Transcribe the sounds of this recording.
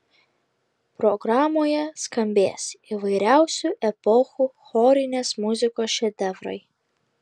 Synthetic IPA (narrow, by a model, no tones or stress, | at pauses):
pɾɔɡɾɑːmoːjɛskɐmʲbʲeːsiʋɐɪɾʲæˑʊsʲuˑʔɛpɔxuːxɔɾʲɪnʲeːsmʊzʲɪkoːsʃʲɛd̪ʲɛʋɾɐ̰ɪ